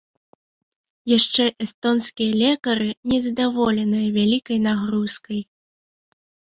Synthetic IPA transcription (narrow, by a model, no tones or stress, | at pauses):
jaʂt͡ʂɛʔɛst̪ɔnskʲijɐlʲɛkɐɾɨnʲɛzɐd̪avɔlʲɛnɨjɐvʲalʲikɐjnaɣɾuskɐj